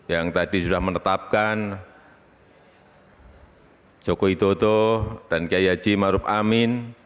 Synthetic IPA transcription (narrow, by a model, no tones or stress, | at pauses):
jaŋt̪adisudahmənət̪ap̚kan | d͡ʒ̥okoit̪ot̪ohd̥ankiajḁd͡ʒ̥imaɾʊp̚amɪn